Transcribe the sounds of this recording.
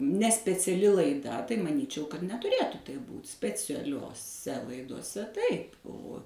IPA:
nʲɛ sʲpʲɛt͡sʲɛˈlʲɪ lˠɐɪˈdɐ tɐɪ mɐˈnʲiːt͡ʃʲɛʊ kɐt nʲɛtʊˈrʲeːtʊ tɐɪp ˈbuːt sʲpʲɛt͡sʲɛlʲoːˈsʲɛ lˠɐɪdoːˈsʲɛ ˈtɐɪp oː

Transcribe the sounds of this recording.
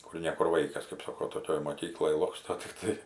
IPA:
ˈkʊr nʲɛ ˈkʊr ˈʋɐɪkɐs kɐp ˈsɑːkoː toːˈkʲoːj moːˈkʲiːklˠoːj ˈlˠoːkstoː tʲɪkˈtɐɪ

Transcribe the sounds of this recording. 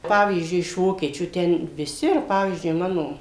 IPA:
ˈpɑːʋʲiːzʲd͡ʒʲʊɪ ɪʃ ˈʋoːkʲiɛt͡ʃʲuː ˈtʲɛn ʋʲɪˈsʲɪ ɪr ˈpɑːʋʲiːzʲd͡ʒʲʊɪ ˈmɑːnoː

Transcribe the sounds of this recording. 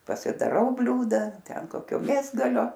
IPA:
pɐsʲɪdɐˈrɐʊ ˈbʲlʲuːdɐ ˈtʲɛn ˈkoːkʲoː ˈmʲeːzɡɐlʲoː

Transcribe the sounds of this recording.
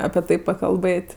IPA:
ɐpʲiɛ ˈtɐɪ pɐkɐlˠˈbɘtʲ

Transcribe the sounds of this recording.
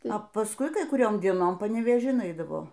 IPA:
ɐ pɐsˈkʊɪ ˈkɐɪ kʊˈrʲoːm dʲiɛˈnoːm pɐnʲɛʋʲeːˈʒʲɪn ˈɐɪdɐʋoː

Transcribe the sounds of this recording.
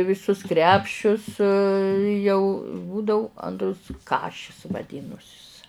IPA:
ʋʲɪˈsʊs ˈkrʲæːpʲʃʲʊs jɛʊ ˈbuːdɐʊ ˈɐntrʊs ˈkɑːʃʲɪs ʋɐˈdʲiːnʊsʲɪs

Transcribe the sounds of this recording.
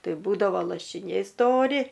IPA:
ˈtɐɪ ˈbuːdɐʋoː lˠɐʃʲɪˈnʲɛɪ ˈstoːrʲɪ

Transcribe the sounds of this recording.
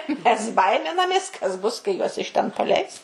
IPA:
mʲɛs ˈbɐɪmʲɪnɐmʲeːs kɐs ˈbʊs kɐɪ ˈjuɔs ɪʃ ˈtʲɛn pɐˈlʲɛɪs

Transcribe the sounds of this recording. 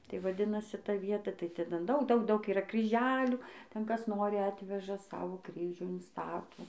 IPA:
tɐɪ ʋɐˈdʲɪnɐsʲɪ ˈtɐ ˈʋʲiɛtɐ tɐɪ ˈtʲɛn ˈdɐʊk ˈdɐʊk iːˈrɐ krʲiːˈʒʲæːlʲuː tʲɛn ˈkɐs ˈnoːrʲɪ ˈɑːtʲʋʲɛʒɐ ˈsɑːʋoː ˈkrʲiːʒʲuː ɪnˈstɑːtoː

